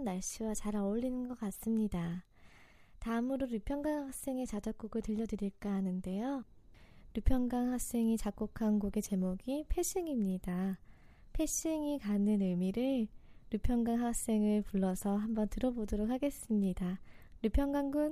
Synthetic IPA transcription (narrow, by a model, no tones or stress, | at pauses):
nːaɭɕ͈ʰiwat͡ɕaɾaoʎːinɯnɡʌk͈as͈ɯmɲida | tamuɾoɾjupʰjʌŋɡaŋhak̚s͈e̞ŋe̞t͡ɕad͡ʑak̚k͈uoɡɯɭtɯʎːʌdɯɾiɭk͈aɦanɯnde̞jo | ɾupʰjʌŋɡaŋɦak̚s͈e̞ŋit͡ɕak̚k͈okʰanɡoɡe̞t͡ɕe̞moɡipʰe̞ɕ͈ʰiŋimɲida | pʰe̞ɕiŋikanɯnɯmiɾɯɭɾupʰjʌŋɡaŋɦak̚s͈e̞ŋɯɭpuɭːʌsʰʌɦambʌntɯɾʌbodoɾok̚haɡe̞s͈ɯmɲidaɾupʰjʌŋɡaŋɡun